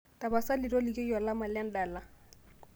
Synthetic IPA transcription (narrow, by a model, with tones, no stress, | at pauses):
tʼa˨ba˨sa˦lɪ˨rɔ˦lɪ˨kʼɪ˦jɔ˨la˦ma˨lɪa˦n̩˦da˨la˦